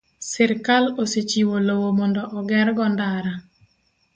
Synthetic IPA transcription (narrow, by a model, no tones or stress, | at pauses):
sɛɾkaloset͡ʃiwolowomɔndɔʔɔɡɛɾɡɔndaɾa